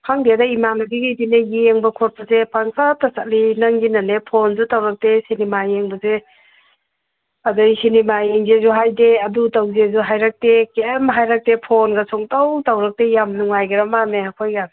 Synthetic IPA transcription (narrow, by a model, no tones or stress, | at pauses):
kʰaŋdiadaimanaɡiɡajdineɡieŋbɐkʰɔt̚pɐzepaŋkʰatasat̚linɐŋɡinanepʰonzutawɾɐk̚tesinimajeŋbɐze | ɐdojsinimajeŋzezuɦajdeɐdutawzezuɦajɾak̚tekemɦajɾak̚tepʰonɡɐsʰɔŋtawtawɾɐk̚tejamnuŋajɡɐɾɐmameakʰojɡa